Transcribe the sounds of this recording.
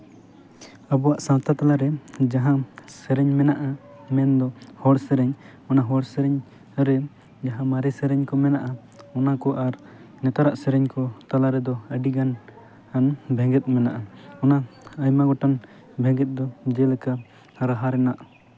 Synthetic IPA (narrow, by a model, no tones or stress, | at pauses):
abɔwaʔsãt̪at̪alaɾɛd͡ʒaɦãsɛɾɛɲmɛnaʔa | mɛnd̪ɔhɔɽsɛɾɛɲ | ɔnaɦɔɽsɛɾɛɲ | ɾɛ | d͡ʒaɦãmaɾɛsɛɾɛɲkɔmɛnaʔa | ɔnakɔʔaɾ | nɛt̪aɾaʔsɛɾɛɲkɔt̪alaɾɛd̪ɔəɖiɡan | anbʱɛ̃ŋɡɛt̪̚ˀmɛnaʔaɔnaajmaɡɔʈan | bʱɛ̃ɡɛt̪̚ˀd̪ɔd͡ʒɛlɛka | ɾaɦaɾɛnaʔ